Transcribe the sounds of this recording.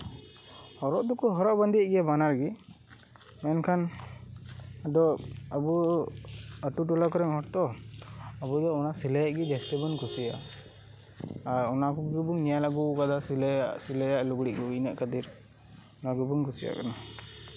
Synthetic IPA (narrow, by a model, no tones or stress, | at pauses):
hɔɾɔʔd̪ɔkɔɦɔɾɔʔband̪iʔɡɛjabanaɾɡi | mɛnkʰan | d̪ɔabu | əʈuʈɔlakɔɾɛŋɦɔɾt̪ɔ | abud̪ɔɔnasiləjaʔɡid̪ɛst̪ɛbɔnkʰusija̰ | ɾɔnakɔɡubuŋnijalaɡukad̪asilaʔsiləjaʔluɡɽiʔkɔinəʔkad̪iɾ | ɔnaɡubɔŋkʰusija̰kana